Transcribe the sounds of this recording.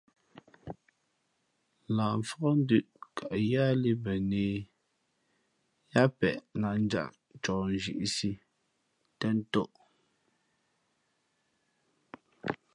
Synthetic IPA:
laː˨ɱ˨fɔ˦ɣɔ˦n̩˦dʉ˦˨ʔkʰa˨ʔja˦li˦bɛ˨ne˨ | ja˦pɛ̰˨ʔna˨n̩˦d͡ʒa̰˨ʔ | t͡ʃɔː˨n˨ʒḭ˦˨ʔsi˦ | tɛ˦n˦tɔ˦ʔ

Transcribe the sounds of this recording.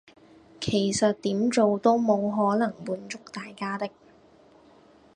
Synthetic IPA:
kʰe˨˩jsɐ˨t̚t̪iː˨˥mt͡so˨wt̪o˥wmo˨˧wɦɔː˨˥nɐ˨˩ŋmuː˨˧˥nt͡sʊ˥k̚t̪aː˨jkaː˥t̪ɪ˥k̚

